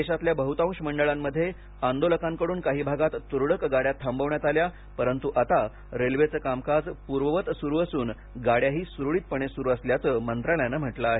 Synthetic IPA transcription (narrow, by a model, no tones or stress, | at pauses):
eɕat̪ljabəɦut̪ãw̃ʂməɳɖəɭamːəd̪ʱːje | and̪oləkãmkəɽuːnkaɦiːbʱaɡat̪ːuɾɽəkɡaɽjat̪ʰːambəʋɳjat̪alja | pəɾənt̪uʔat̪a | ɾelʋet͡səːkamkad͡zpuɾʋəʋət̪suɾuːəsuːn | ɡaɽjaɦiːsɾuɭiːt̪̚pəɳesuɾuəsljat͡səːmənt̪ɾaljanəːm̤əʈlaːɦe